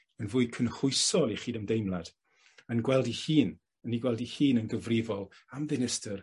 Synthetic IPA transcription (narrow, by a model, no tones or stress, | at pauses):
ənvʊːɨkʰənχʊɨsɔlˠiχiːdəmdejmlˠad̥ | ənɡwɛlˠdihiːn | əniɡwɛlˠdihiːnənɡəvrɪvɔlˠ | amvɪnɪstər